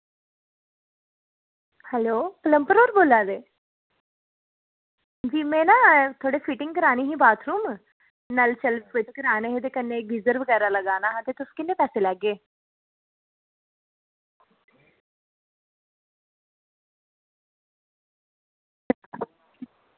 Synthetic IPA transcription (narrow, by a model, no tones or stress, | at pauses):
hɛloːpələmpəɾoːɾboːlaːd̪eː | d͡ʒiːmɛ̃ːnãːt̪ʰoːɽeːpʰiʈɪ̃ŋɡkəɾaːniːɦĩːbaːt̪ʰɾuːm | nəlt͡ʃəlʋeːkot̪ekəɾaːneɦet̪̬ekənːeːkɾɪzəɾʋəɡɛːɾaːləɡaːnaːɦat̪eːt̪ʊskɪnːeːpɛːseːlɛːɡeː